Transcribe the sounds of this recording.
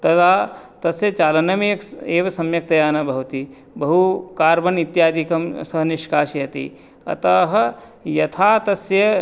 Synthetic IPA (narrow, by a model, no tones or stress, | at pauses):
t̪ɐt̪aːt̪ɐsjɐt͡ʃaːlɐnɐmeekeːʋɐsɐmjɐk̚t̪ɐjaːnɐbʱɐɦut̪i | bɐɦukaːɾbɐnit̪jaːd̪ʱikɐmsɐɦɐniʃkaːʃijɐt̪ḭ | ɐ̰t̪ɐɦɐ | jɐt̪ʰaːt̪ɐsjɐ